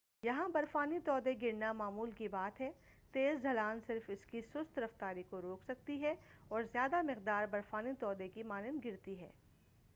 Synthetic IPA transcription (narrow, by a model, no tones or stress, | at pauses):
jɐɦãbɐɾfaːnit̪ɔːd̪eɡɪɾnamaːmuːlkibaːt̪ɦɛː | t̪eːzd͡ʒʱɐlaːnsɪɾfɪskisʊst̪ɾɐft̪aːɾikoɾoːksɐk̚t̪iɦɛɔːɾzjaːd̪amɪqd̪aːɾbɐɾfaːnit̪ɔːd̪ekimaːnɪnɡɪɾt̪iɦɛ̰ː